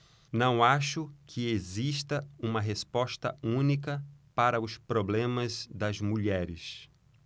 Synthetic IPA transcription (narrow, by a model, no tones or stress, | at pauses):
nɐ̃w̃aʃʊkʰɪeziʃt̪ɐũmɐɦespɔst̪ɐ̰ũnikɐpaɾɐʊspɾoblẽmɐzd̪ɐzmuʎɛɾɪ̰s